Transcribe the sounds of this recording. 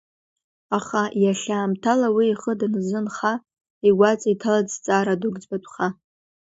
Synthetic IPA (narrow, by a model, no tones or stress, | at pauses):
aχajaɬʲaːmtʰalawiːχədnɨzɨnχa | iɡʷat͡sʼaitʰalad͡zt͡sʼaːɾadʊɡd͡zbatʷʼχa